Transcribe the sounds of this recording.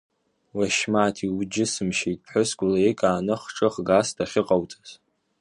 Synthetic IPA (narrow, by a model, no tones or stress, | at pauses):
waʃmaːtʰiwd͡ʒɪsɨmʃejtʼʰħʷʊskʷʼʊlaekʼaːnɨχʈ͡ʂʼɨχɡastʰaχʲɪqʼawt͡sʼaz